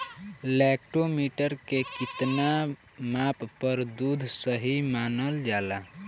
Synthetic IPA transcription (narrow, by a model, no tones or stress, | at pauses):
lɛːk̚ʈomiːʈəɾkekɪt̪na | maːpːəɾd̪uːd̪ʱsəɦimaːnəld͡ʒaːla